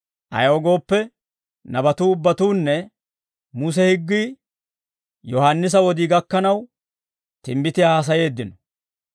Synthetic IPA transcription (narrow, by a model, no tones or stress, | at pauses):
ʔɐ̰joːɡo̞ːpːɛ | nɐbɐt̪uːʊbːɐt̪uːnːɛ | mus̬ɛhɪɡːi | jɔhɐnːɪs̬ɐwɔd̪iːɡɐkːɐnɐw | t̪ɪmbɪt̪ɪjaːs̬ɐje̞ːd̪ːɪnɔ